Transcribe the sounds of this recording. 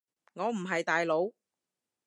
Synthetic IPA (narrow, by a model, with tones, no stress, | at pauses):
ŋɔː˨˧m̩˨˩ɦɐ˨jt̪aː˨jlo˨˧w